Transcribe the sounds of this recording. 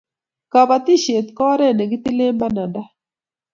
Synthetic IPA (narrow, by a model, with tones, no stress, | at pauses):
ka˨ba˨t̪i˦ʃe˨t̪kɔ˦ɾɛ˦˨nɛ˨ɡi˦t̪i˦le˦mba˦na˨nda˦